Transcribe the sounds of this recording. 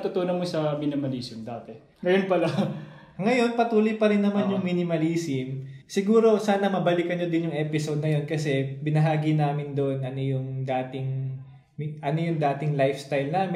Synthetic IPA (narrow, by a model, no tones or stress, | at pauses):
t̪ʊt̪uːnɐmosɐminɪmɐliːsɪmd̪aːt̪ɛ | ŋɐjonpɐla | ŋɐjo̞npɐt̪uːlojpɐɾɪnːɐmanjʊŋminɪmɐliːsɪmsɪɡuːɾo̞saːnɐmɐbɐlɪkɐnod̪ɪnjʊŋʔɛːpɪsod̪̚nɐjo̞nkɐsɛbɪnɐɦaːɡinaːmɪnd̪oʔonʔɐnojʊŋd̪aːt̪ɪŋ | mʔɐnojʊŋd̪aːt̪ɪŋlajfst̪ajlnaːm